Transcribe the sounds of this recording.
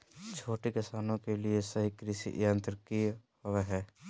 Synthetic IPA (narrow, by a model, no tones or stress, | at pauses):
t͡ʃʰoːʈekɪsaːnõkeliesɐɦikɾɪʃḭʔjə̃nt̪ɾəkiɦʊweɦɛː